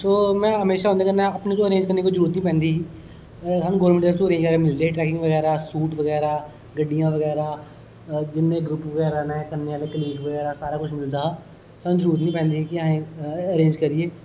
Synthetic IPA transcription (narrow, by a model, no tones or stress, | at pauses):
soːmɛ̃ːɦəmeːʃaːɦːnd̪aːkənãəpnet̪oːəɾẽːɲd͡ʒkəɾneːkod͡ʒəɾuːɾt̪nĩːpɛ̃ːnd̪iː | ɦənɡoːlmɪʈɖəɾt̪oəɾẽːɲd͡ʒkəɾamɪld̪eːʈɾɛːkɪ̃ŋɡʋəɣɛːɾaːsuːʈʋəɡɛːɾaː | ɡəɖːijãːʋəɡɛːɾaː | d͡ʒɪnːẽːɡɾʊpʋəɡɛːɾanaɛːkəɾneːaːlekəliːɡʋəɣɛːɾaːsaːɾaːkʊt͡ʃʰmɪld̪aː | sənd͡ʒəɾuːɾət̪nĩːpɛ̃ːnd̪iːɦɛkiaẽəɾẽːɲd͡ʒkəɾieː